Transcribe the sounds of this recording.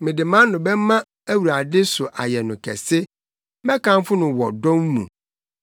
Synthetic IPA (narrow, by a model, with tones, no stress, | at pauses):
mɪ̃˨dɪ˨mã˦n˦nʊ̃˨bɛ˦mã˦ | æ˦wu˨ɾa˨dɪ˦sʊ˨ʔa̰˨jɛ˨nʊ̃˨kʰɛ̰˨sɪ˦ | mɛ̃˦kʰã˦m˦fʊ˦nʊ̃˨wɔ˨dɔ̃˦mmṵ̃˨